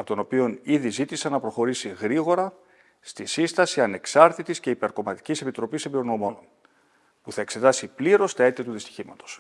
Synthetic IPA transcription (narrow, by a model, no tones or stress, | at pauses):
ɐpot̪o̞no̞pio̞niðizit̪isɐnːɐpɾo̞xo̞ɾisiɣɾiɣo̞ɾɐ | st̪isist̪ɐsiɐne̞ksɐɾt̪it̪isce̞ipe̞ɾko̞mɐt̪i̥cise̞pit̪ɾo̞pisembiɾoɣno̞mo̞non | puθɐe̞kse̞t̪ɐsipliɾo̞st̪ɐe̞t̪iɐt̪uðist̪i̥çimɐt̪o̞̥s